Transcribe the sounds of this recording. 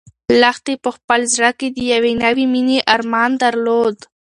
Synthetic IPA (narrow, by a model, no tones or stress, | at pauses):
laxt̪epəxpəlzɾaked̪əjawenawimineʔaɾmɑnd̪aɾlod̪